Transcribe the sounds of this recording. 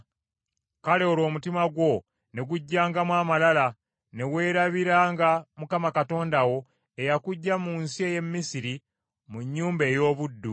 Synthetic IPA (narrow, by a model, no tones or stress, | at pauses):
kale̞oɾo̞ːmutimaɡwo̞ | ne̞ɡuɟːaːŋɡamwaːmalala | ne̞we̞ːɾaβiɾaːŋɡamukamakato̞ːndawo̞ | e̞jakuɟːamunsie̞ːje̞mːisiɾi | muɲːuːmbe̞ːjo̞ːβudːu